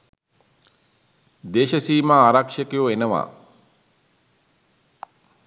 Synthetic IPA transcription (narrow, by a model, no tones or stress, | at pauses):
d̪eːʃəsiːmaaːɾakʂəkejuenəʋa̰ː